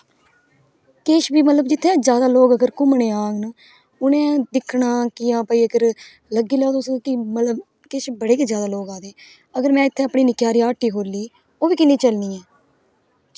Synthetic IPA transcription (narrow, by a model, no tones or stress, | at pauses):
keːʃbiːmət̪ləb̚d͡ʒɪt̪ʰːẽːzjaːd̪aːloːɡəɡəɾkʊmɳeːaːɡn | ʊnẽːd̪ɪkʰːɳaːkɪãːpəiːəɡəɾ | ləɡiːlɛoːd̪oskɪmət̪ləb | keːʃbəɽeːkizjaːd̪aːloːɡaːd̪eː | əɡəɾmɛ̃ːɪt̪ʰːeəpɳiːnɪkjaːɾiːaːʈːiːɦoːɾliː | oːbiːkɪnːĩːt͡ʃəlniːɛː